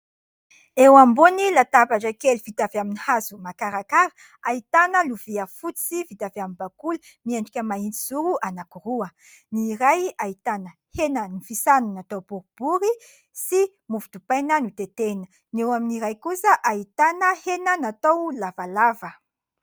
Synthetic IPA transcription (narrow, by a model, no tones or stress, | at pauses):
ewambunilat̪apaʈ͡ʂəkeluvit̪avaminihazumakaɾakaɾə | ait̪anəluviəfut͡sivit̪avamimbakulə | miaɳɖ͡ʐikʲəmaint͡s̪iz̥uɾuʔanakuruə | niɾajait̪anə | henənifisanunat̪owb̥uɾb̥uɾi | si | muvud̪upajnanut̪et̪enə | newaminiɾajkusəʔait̪anəhenənat̪owlavalavə